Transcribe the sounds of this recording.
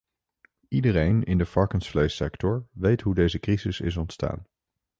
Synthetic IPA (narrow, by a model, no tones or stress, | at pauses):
idərejnɪndəfɑɹkənsflejsɛktɔɹʋejtɦudejzəkrizɪsɪ̰s̬ɔntsta̰ːn